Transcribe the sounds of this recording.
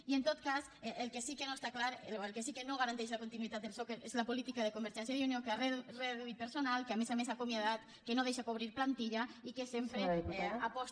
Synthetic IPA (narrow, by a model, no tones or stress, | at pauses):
ient̪ot̪kas | eʔelkesikenoest̪aklaɾeelkesikenoɣaɾant̪eʃ̬lakont̪inuit̪at̪elsokeɾezlapolit̪ikaðekombeɾʒɛnsjaðiunjokearereðuit̪̚peɾsonalˠkeamezamesakomjaðat̪ | kenoðejʃakoβ̞ɾiɾplant̪iʎaikesempɾeapɔs